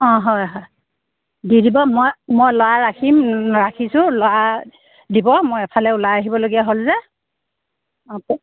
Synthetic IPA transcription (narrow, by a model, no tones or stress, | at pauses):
ɔ̃ɦɔjɦɔj | didibɔmojmojlɔwaɹakʰimɹakʰisʊlɔa | dibɔmojɛpʰalɛulajaɦibɔloɡijaɦolzɛ | pɔ